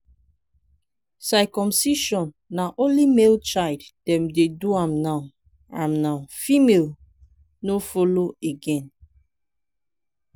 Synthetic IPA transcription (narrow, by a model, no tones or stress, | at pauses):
sakɔ̃msiʃɔ̃nːaʔõnlimelt͡ʃajlddɛ̃mdeduãmnaʊ | ãmnawfimel | nofɔloeɡɛ̃n